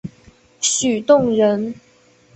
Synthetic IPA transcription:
ɕy˨˩t̪ʊ˥˨ŋɻə˧˦n

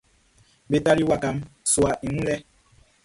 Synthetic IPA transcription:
be˨ta˦ɾi˦wa˨ka˨mswa˨ʔi˨ŋũ˦lɛ˦

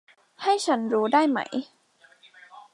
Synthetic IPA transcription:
ha˥˩jt͡ɕʰa˦˥nɾuː˦˥daː˥˩jma̰˦˥j

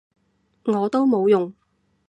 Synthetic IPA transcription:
ŋɔː˨˧t̪o˥wmo˨˧wjʊ˨ŋ

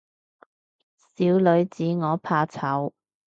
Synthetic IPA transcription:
siː˨˥wlɵ˨˧ɥt͡siː˨˧ŋɔː˨˧pʰaː˧t͡sʰɐ˨˥w

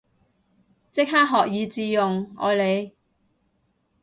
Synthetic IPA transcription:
t͡sɪ˥k̚ɦaː˥k̚ɦɔː˨k̚jiː˨˧t͡siː˧jʊ˨ŋɔ̰ː˨˧jle˨˧j

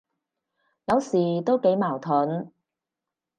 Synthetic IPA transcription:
jɐ˨˧wsiː˨˩t̪o˥wke˨˧˥jmaː˨˩wt̪ʰʊ˨˥n

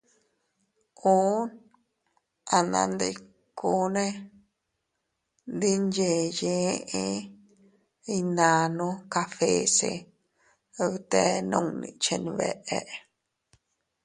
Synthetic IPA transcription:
u˦n | a˨nã̰˧nd̪i˧ | ku˦nẽ˦ | nd̪i˦nd͡ʒe˨jẽ˧ʔe˦ | i˧nã˨˧nũ˧ka˧fe˧sḛ˧ | βt̪e˧nũ˧ŋnĩ˧t͡ʃe˧ni˧βe˧ʔe˧ʔ

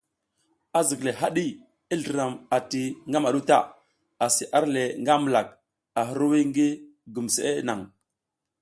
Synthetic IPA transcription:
a˨zi˨kle˨ɦa˦ɗi˦ | i˦ɮə˨ɾa˨ma˨ti˨ŋɡa˦ma˨ɗu˦ta̰˦˨ | a˨si˨ʔa˦ɾle˨ŋɡa˦mə˨la˨k̚ | a˨ɦu˦ɾwi˦ŋɡi˦ | ɡu˨mse˦ʔe˦na̰˨ŋ

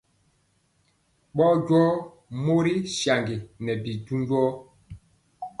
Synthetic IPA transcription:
ɓɔ˦ɟwɔ˦ | mo˦ɾi˦ʃja˨ŋɡi˨nɛ˨bi˨ɟu˦d͡ʒwɔ˦

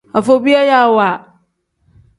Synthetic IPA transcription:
a˨fo˨bi˦a˦ja˦˨wa˨

